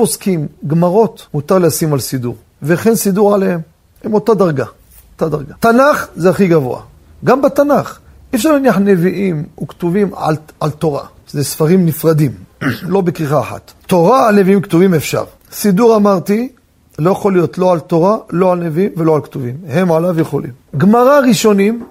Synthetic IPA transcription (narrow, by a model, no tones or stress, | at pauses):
poskimɡmaʁo̞t̪mut̪aʁleasimalsid̪uʁ | veχe̞nsiduʁʕalehem | hemo̞tad̪aʁɡa | ot̪ad̪aʁɡat̪anaχzeaχiɡavo̞̰a̰ | ɡambat̪anaχ | ʔifʃaʁlaniaħne̞viʔimukt̪uvimʕa̰lalt̪o̞ʁa̰ | zesfaʁimnifʁad̪imlo̞bekiχaːħa̰t̪to̞ʁaaleviimkt̪uvimefʃa̰ʁ | siduʁamaʁt̪i | lo̞jaχolijo̞t̪lo̞ʕalt̪o̞ʁaloalne̞viimveloʕalkt̪uvimhemʕalavjeχo̞̰lḭmɡmaʁaʁiʃo̞nim